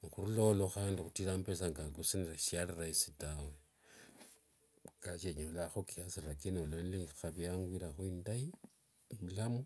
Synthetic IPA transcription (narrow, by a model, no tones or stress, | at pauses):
ŋxuɾuloloxaːndixutiɾampesaŋɡakusiniɾaʃjaliraisitawe | kaʃeɲinolaxokijasiɾakinolonlixaβjaŋɡwiɾaxuindai | lamu